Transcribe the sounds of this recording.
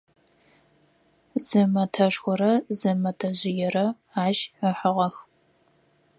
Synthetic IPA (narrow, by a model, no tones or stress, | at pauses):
zɨmɐtʰɐʂxʷʊɾɐzɨmɐtʰɐʑɪjɛrɐ | aːʒəħəʁɐx